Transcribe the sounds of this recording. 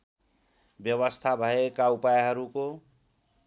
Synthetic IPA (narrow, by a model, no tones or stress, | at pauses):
bjʌβʌst̪ʰabʱʌekaupajɦʌɾuko